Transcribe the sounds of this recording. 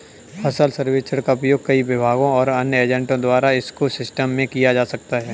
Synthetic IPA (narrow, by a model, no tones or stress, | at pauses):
hɐsalsɐɾʋeːt͡ʃəɽkaʊpjoːɡ̚kɐiʋɪbʱaːɡõɔːɾɐnjəeːd͡ʒɛ̃ɳʈõd̪waːɾaɪskosɪsʈəmːẽkijad͡ʒaːsɐkt̪aɦɛː